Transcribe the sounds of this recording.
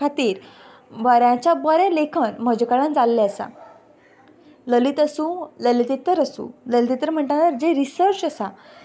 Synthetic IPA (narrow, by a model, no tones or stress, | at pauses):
at̪iːɾ | bəɾjãt͡ɕabəɾẽlekʰənm̤əd͡ʑekaɭãnd͡zalːeəsa̰ | ləlit̪əsũləlit̪it̪əɾəsṵ̃ləlit̪it̪ɾəɾm̤əɳʈanəɾd͡ʑeɾisəɾt͡ɕəsa